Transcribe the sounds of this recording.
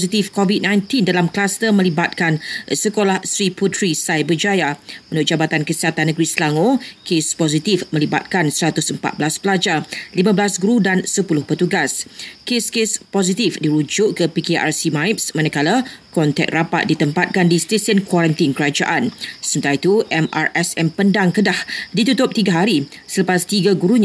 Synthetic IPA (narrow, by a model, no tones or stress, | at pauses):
sit̪ifkovit̚nãjnt̪indalamklast̪əmə̃libat̪̚kansəkolahsɾiput̪ɾisajbəd͡ʒajaũnʊt̪̚d͡ʒabat̪ankəsiɦat̪anːə̃ɡɾislaŋokespɔzit̪ifmə̃liba̰t̪̚kansəɾat̪ʊsəmpa̰t̪̚blasbəlad͡ʒalimãblasɡɾudansəpulʊhpət̪uɡaskeskespɔz̬it̪ifdiɾud͡ʒʊʔkəpikeʔa̰rsimãjp̚smãnãkalakɔnt̪ɛ̰k̚rapa̰t̪̚dit̪əmpat̪̚kandist̪esənkwaɾant̪inkəɾad͡ʒa̰ʔansəmənt̪aɾait̪uʔɛma̰rʔɛsɛmpəndaŋkədahdit̪ut̪ʊp̚t̪iɡaɦaɾi | sələpast̪iɡaɡuɾuɲa